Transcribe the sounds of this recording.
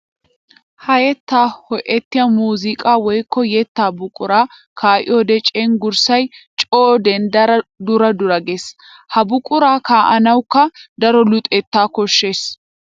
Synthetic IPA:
hɐjɛt̪ːaːhɔʔɛt̪ːɪjamuːzɪkʼaːwɔjkːɔjɛt̪ːaːbʊkʼʊɾaː | kʰaːʔɪ̰jod̪ɛt͡ʃʼɛŋɡʊɾsɐjt͡ʃʼoːd̪ɛnd̪ɐɾɐd̪ʊɾɐd̪ʊɾɐɡes | hɐbʊkʼʊɾaːkaːʔɐnɐwkːɐd̪ɐɾɔlʊt̪ʼɛt̪ːaːkɔʃːe̞ːs

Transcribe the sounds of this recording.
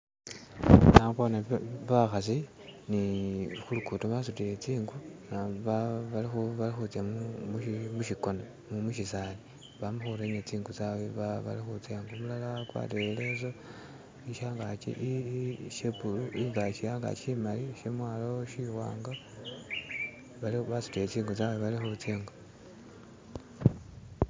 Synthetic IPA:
nakonaβaxasi | nixulukutoβasutilet͡siːŋɡunaβaβalixuβalixut͡sjamumuʃmuʃiko̞na | mumuʃisali | βamuxuɾeɲet͡siːŋɡut͡saweβaβa̰lixut͡seːŋɡomulalakwa̰ːtelezo | iʃaːŋɡat͡ʃḭʔʃepuluʔiŋɡaʃijaːŋɡa̰t͡ʃimaliʃemwaːloʃiwa̰ːŋɡa | βaliβasu̥tet͡siːŋɡut͡saweβalixut͡seːŋɡa

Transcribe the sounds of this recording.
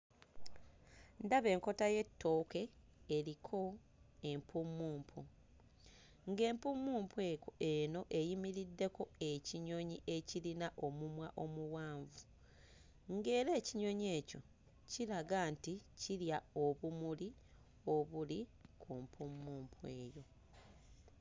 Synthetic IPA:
ndaβe̞ːŋko̞taje̞tːo̞ːke̞ːɾikʰo̞ | e̞mpʰumːuːmpʰu | ŋɡe̞ːmpumːuːmpʰwekoe̞no̞ʔe̞jimiɾidːe̞ko̞e̞ciɲo̞ɲiʔe̞cilinaʔo̞mumwaʔo̞muwaːɱvu | ŋɡe̞ːɾe̞ːciɲo̞ɲe̞ːco̞ | cilaɡaːnticiljao̞βumuli | o̞βulikʰumpʰumːuːmpʰwe̞ːjo̞

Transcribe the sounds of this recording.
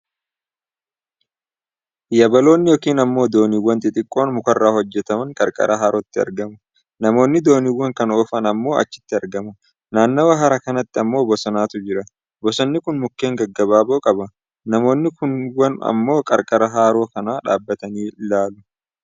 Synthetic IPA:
jɐbɐlo̞ːnːɪjɔkiːnɐmːo̞ːd̪o̞ːniwːɐnt̪ʼɪt̪ʼɪkʼːo̞ːnmʊkɐrːaːhɔd͡ʒːɛt̪ɐmɐŋkʼɐ̰ɾkʼɐ̰ɾʔɐɦaːɾɔt̪ːɪɐ̰ɾɡɐmɐ | nɐmo̞ːnːɪd̪o̞ːniwːɐŋkɐnoːfɐnɐmːo̞ːʔɐ̰t͡ʃːɪ̥t̪ːɪɐɾɡɐmɐ | naːnːɐwɐɦɐɾɐkɐnɐt̪ːɪɐmːo̞ːbɔsɐnaːt̪ʊd͡ʒɪɾɐ | bɔsɔnːɪkʊnmʊkːe̞ːŋɡɐɡːɐbaːboːkʼɐbɐ | nɐmo̞ːnːɪkʊnwɐnɐ̰mːo̞ːkʼɐ̰ɾkʼɐɾɐɦaːɾo̞ːkɐnaːᶑa̰ːbːɐt̪ɐniːlaːlʊ

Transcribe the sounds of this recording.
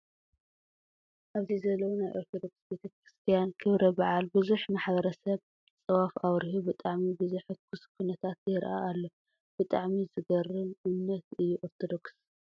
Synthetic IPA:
ʔaβzizɐlːɐwnajʔoɾt̪ʰod̪o̞ksbet̪ʰɐkɾist̪ʰijankʰɨβɾɐbaʕalbɨzuħmaħbɐɾɐsɐβ | t͡sʼɐβafawɾihubɨt̪ʼaʕmibɨzuħɨkʰuskʰunɐt̪ʰat̪jɪɾʔa̰ːlːo | b̥ɨt̪ʼaʕmizɨɡɐrɨnɨnːɐt̪ɨjːuʔoɾt̪ʰod̪o̞ks

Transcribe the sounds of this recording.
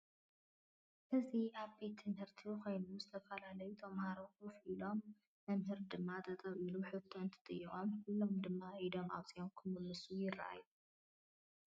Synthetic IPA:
ʔɨziaβbet̪ʰːɨmhɨɾt̪ʰikʰojnuzɨt̪ʰɐfɐlalɐjut̪ʰɐmhaɾokufʔilo̞m | mɐmɦɨɾd̪ɨmːat̪ʰɐt̪ʼɐβiluħɨt̪ʰːoɨnt̪ʰɨ̥t̪ʼɨjːɨχʼomkɨlːomd̪ɨmːaid̪o̞ma̰βt͡sʼijomkʰɨmɨlːɨsujɪra̰ʔa̰ju

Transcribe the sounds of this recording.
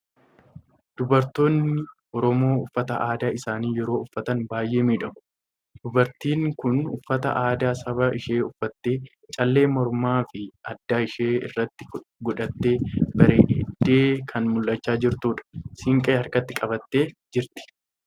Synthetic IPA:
d̪̥ʊbɐɾt̪o̞ːnːɪʔɔɾɔmo̞ːʊfːɐt̪ɐ̰ʔaːd̪aːɪsaːniːjɛɾo̞ːʊfːɐt̪ɐnbaːjʔe̞ːmiːᶑɐmʊ̥ | d̪̥ʊbɐɾt̪iːŋkʊnʊ̰fːɐt̪ɐ̰ʔaːd̪aːsɐbɐʔɪʃe̞ːʊfːɐt̪ːe̞ː | t͡ʃʼɐlːe̞ːmɔɾmaːfɪɐd̪ːaːɪʃeːɪ̰rːɐt̪ːɪ̥ɡɔᶑɐt̪ːe̞ːbɐɾeːʔd̪̥ːeːkʰɐnmʊlːɐt͡ʃːaːd͡ʒɪɾt̪uːᶑɐ̥sɪŋkʼeːɐɾkɐt̪ːɪkʼɐbɐt̪ːe̞ːd͡ʒɪɾt̪ɪ̥

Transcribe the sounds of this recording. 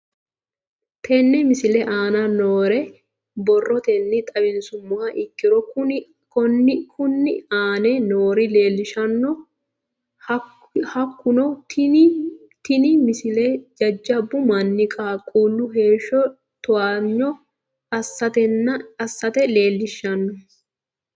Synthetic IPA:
t̪ʰɛnːɛmɪsɪlɛʔaːnɐnoːɾɛ | bɔrːɔt̪enːɪt̪ʼɐbɪnsʊmːɔhɐʔɪkːɪɾɔkʊ | kɔnːkʰʊnːɪ̰aːnɛnoːɾɪle̞ːlːɪʃɐnːɔ | hɐkːʊnɔt̪ | t̪ɪnɪmɪsɪlɛd͡ʒɐd͡ʒːɐbʊmɐnːɪkʼaːkʼːuːlːʊɦe̞ːʃːɔ | t̪ɔwaɲːɔ | ɐsːɐt̪ɛnːɐɐsːɐt̪ɛle̞ːlːɪʃːɐnːɔ

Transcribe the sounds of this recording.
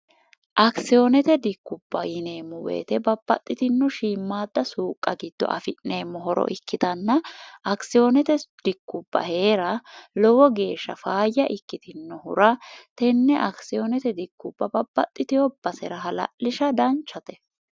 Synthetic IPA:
ʔɐksɪjonɛt̪ɛd̪ɪkːʊb̥ːɐjɪneːmːɔwḛːt̪ɛbɐbːɐ̰t̪ʼːɪt̪ɪnːɔʃiːmːaːd̪ːɐsuːkʼːɐɡɪd̪̥ːɔ̰ʔɐ̰fɪʔne̞ːmːɔɦɔɾɔ̰ʔɪkːɪt̪ɐnːɐɐksɪjonɛt̪ɛd̪̥ɪkːʊbːɐ̰he̞ːɾɐlɔwɔɡe̞ːʃːɐ̰faːjːɐʔɪkːɪt̪ɪnːɔhʊ̰ɾɐt̪ɛnːɛʔɐksɪjonɛt̪ɛd̪ɪkːʊbːɐbɐbːɐt̪ʼːɪt̪ɪɔbɐsɛ̰ɾɐɦɐlɐ̰ʔːɪʃɐd̪ɐnt͡ʃːɐt̪ɛ̥

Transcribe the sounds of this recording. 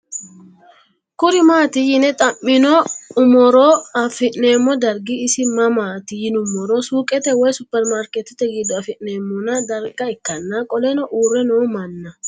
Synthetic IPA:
kʊɾɪmaːt̪ɪjɪnɛt̪ʼɐmːɪnɔʊmɔɾoːɐfɪʔneːmːɔd̪ɐɾɡɪːsɪmɐmaːt̪ɪjɪnʊmːɔɾoːsuːkʼɛt̪ɛwɔjsʊpːɛɾmaɾkɛt̪ːɪt̪ːɛɡɪd̪ːɔɐfɪʔneːmːʊnɐd̪ɐɾɡɐɪkːɐnːɐkʼɔlɛnɔʔuːrːɛnoːmɐnːɐ

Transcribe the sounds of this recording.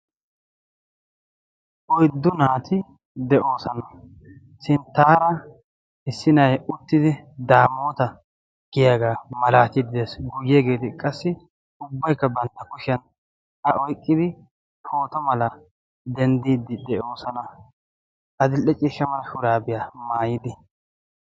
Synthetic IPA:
ʔɔjd̪ːʊnaːt̪ʰɪ | d̪ɛʔo̞ːsɐnɐ | ʃɪnt̪aːɾɐ | ɪsːɪnɐjʊt̪ːɪd̪ɪd̪aːmoːt̪ɐ | ɡ̥ɪjaːɡaːmɐlaːt̪ɪd̪ɪd̪esɡʊɡɪjɛɡe̞ːt̪ɪkʼɐsːɪ | ʊbːɐjkːɐbɐnt̪ːɐkʊʃɐn | ɐʔɔjkʼːɪd̪ɪ | kʰoːt̪ɔmɐlɐ | d̪ɛnd̪iːd̪ːɪd̪ɛʔo̞ːsɐnɐ | ɐd̪ɪlʔɛt͡ʃʼiːʃːɐmɐlɐʃʊɾaːbɪjamaːjɪd̪ɪ

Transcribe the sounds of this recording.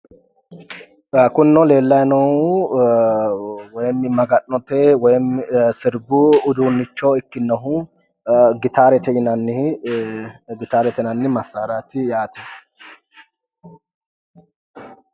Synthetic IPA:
kʊnːɔle̞ːlːɐjnɐwʊ | wɔjmːɪmɐɡɐʔnɔt̪ɛwɔjmɪsɪɾbʊʊd̪uːnːɪt͡ʃːɔɪkːɪnːɐɦʊ | ɡɪt̪aːɾɛt̪ɛɪnɐnːɪ | ɡɪt̪aːɾɛt̪ɛnɐnːɪmɐsːaːɾat̪ɪjaːt̪ɛ

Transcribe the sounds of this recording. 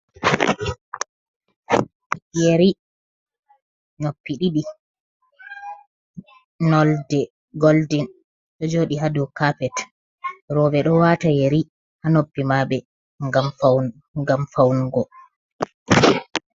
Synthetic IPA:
ijeɾi | nopːiɗiɗi | nɔldɛ | ɡoldin | ɗɔd͡ʒoːɗiɦadukapɛt | ɾɔbɛɗɔwatajeɾi | hanopːimaɓɛ | ŋɡamfa | ɡamfawnɡɔ

